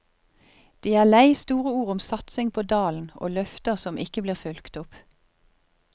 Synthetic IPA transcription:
d̪̥iːæːʁlæɪst̪uːʁəuːʁʊmsɑt̪sɪŋpʰoːd̪ɑːln̩o̰ːlœft̪əʁsɔmʔɪkəbliːʁfʉlkt̪ʊp

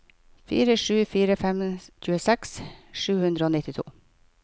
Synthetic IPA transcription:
fḭːɾəʂʉːfiːɾəfɛmc͡çʉːəsɛksʃʉːhʉnd̪ɾəoːnɪt̪ɪt̪ʰṵː

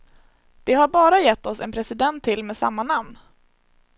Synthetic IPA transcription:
d̪̥ɛɦaɾbɑːɾajɛt̪ːɔsɛnpʰɾɛsɪd̪ɛnt̪ʰːɪlmeːsa̰mːanamn

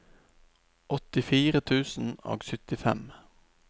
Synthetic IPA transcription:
ʔɔt̪ɪfiːʁət̪ʰʉːsn̩o̰ːɡsʏt̪ɪfɛ̰m

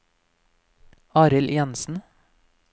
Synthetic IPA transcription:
ɑːɾɪljɛnsn̩

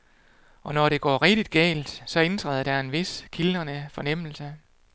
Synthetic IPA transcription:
ʔɒ̽nɒɾ̥e̝ɡ̥ɒ̰ːʁɛɡ̥d̥id̥̚ɡ̥ɛ̰ːld̥sɒ̽e̝nt͡sʰʁɛ̰ð̰ˠɐd̥æe̝nʋe̝skʰilənəfɒ̽nem̰l̩sə

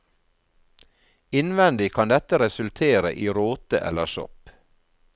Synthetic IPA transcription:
ɪnʋɛnd̪ɪkʰɑnd̪ɛt̪əɾɛsʉlt̪ʰeːɾə̰ʔiːɾoːt̪ə̰ʔɛ̰ləʃɔ̰p

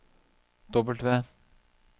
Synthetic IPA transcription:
d̪̥ɔbəlt̪ʋeː

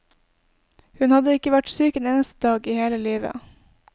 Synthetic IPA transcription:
hʉnhɑd̪əɪkəʋæʈsyːkəneːnəst̪əd̪ɑːɡiːheːləliːʋə̰

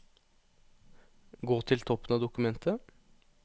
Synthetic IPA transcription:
ɡoːt̪ʰɪlt̪ʰɔpːənɑːd̪ʊkʉmɛnt̪ʰə

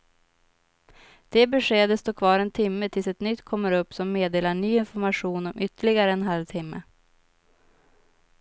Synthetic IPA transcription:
d̪̥ɛbɛʂeːd̪əst̪oːkʰvɑːɾɛnt̪ʰɪmːət̪ʰɪlsɛt̪nʏt̪ːkʰɔmːəɾɵpːsɔmːeːd̪eːlaɳyːɪnfɔɾmaɧuːnɔmʔʏt̪ːəɭɪɡaɾəɛnɦalvt̪ʰɪmːə̰

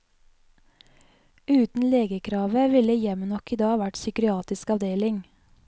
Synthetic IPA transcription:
ʉːt̪n̩leːɡəkʰɾɑːʋəʋɪləjɛmənɔkiːd̪ɑːɑːʋæʈsʏkɾʏɑːt̪ɪskɑʋd̪eːlɪŋ

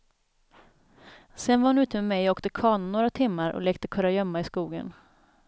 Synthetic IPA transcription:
sɛnvaɾhʊnʉ̟ːt̪əmɛmɛjoːkt̪əkʰɑːɳnoːɾat̪ʰɪmːaɾʔɔ̰leːk̚t̪əkʰœɾajœmːaɪskuːɡə̰n

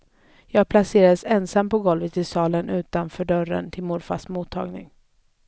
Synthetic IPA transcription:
jɑːɡ̚pʰlaseːɾad̪əsɛnsamːpɔɡɔlvət̪ːɪlsɑːlənʉ̟ːt̪anfœːɖœɾə̰nt̪ʰɪlmʊɾfa̰smuːt̪ʰːɑ̰ːɡnɪ̰ŋ

